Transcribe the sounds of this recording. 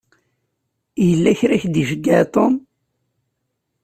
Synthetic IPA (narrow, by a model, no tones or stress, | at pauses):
jəlːæçɾæçd̪iʒəɡːat̪ˤom